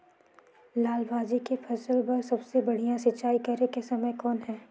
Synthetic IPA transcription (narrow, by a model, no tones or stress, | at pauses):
laːlbaːd͡ʒikefʰɐsəlbɐɾsɐbsebɐɽ̤ijãsɐtːʃaːikɐɾekesɐməjkɔːnɦɛː